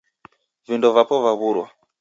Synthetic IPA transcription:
vindɔvapɔvaβuɾwa

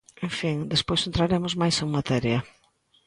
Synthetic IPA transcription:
ẽɱfiŋd̪espojsent̪ɾaɾemʊzmajseŋmat̪ɛɾjɐ

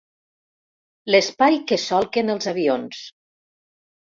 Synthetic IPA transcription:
ləspajkəsɔlˠkenəlˠzaβions

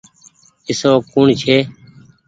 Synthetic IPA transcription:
ɪsoːkuɳt͡ʃʰeː

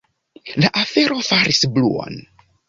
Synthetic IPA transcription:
laʔafe̞ɾʔo̞faɾisblṵo̰n

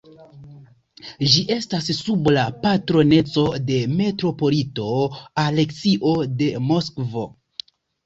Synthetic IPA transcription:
d͡ʒiʔe̞stasːublapatɾo̞ne̞t͡so̞de̞me̞tɾo̞po̞lito̞ale̞ksiʔo̞de̞mo̞skvo̞

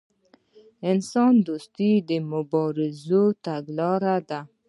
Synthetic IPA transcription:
ɪnsɑnd̪ost̪id̪əmʊbɔɾɪzot̪aɡlɑɾad̪a

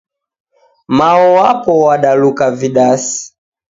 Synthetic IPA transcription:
maɔwapɔwaɗalukaviɗasi̥

